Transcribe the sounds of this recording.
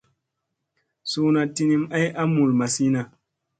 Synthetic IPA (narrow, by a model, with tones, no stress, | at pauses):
su˦na˨ti˦ni˦ma˦jʔa˦mu˨lma˨si˦na˨